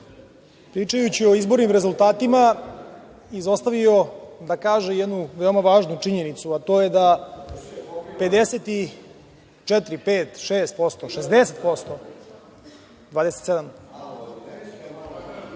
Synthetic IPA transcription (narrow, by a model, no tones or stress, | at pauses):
pɾiːt͡ʂajut͡ɕio̞izbo̞ɾnimɾe̞zult̪aːt̪ima | izo̞st̪aʋio̞d̪akaːʒejɛd̪nuʋeomaʋaːʒnut͡ʂiɲe̞nit̪suat̪o̞jed̪a | pe̞d̪eset̪i | t͡ʃɛt̪ɾipeːt̪ʃeːst̪̚po̞st̪oʃezd̪ese̞t̪̚po̞st̪o | d̪vʋaːd̪eset̪sed̪am